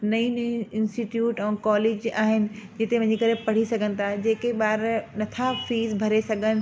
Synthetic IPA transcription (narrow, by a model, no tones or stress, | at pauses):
nɐĩnĩɪ̃nsʈiʈjuːʈɛ̃ːkɔːleːd͡ʑaːɦɪnɪ̆d͡ʑɪt̪emɐ̃ɦɪ̃ɲd͡ʑikɐɾepɐɽ̤isɐɡʱənɪ̆t̪ʰad͡ʑeːkeɓaːɾnɐt̪ʰafiːzbʱɐɾesɐɡʱənɪ̆